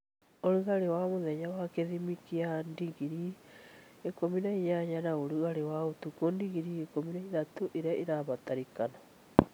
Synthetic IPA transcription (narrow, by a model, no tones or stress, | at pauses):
oɾuɣaɾewamoðɛɲawakeðimikiandiɡiɾi | ekominaiɲaɲanaoɾuɣaɾewaotukondiɣiɾiekominaiðatoʔeɾeaʔeɾaβataɾikana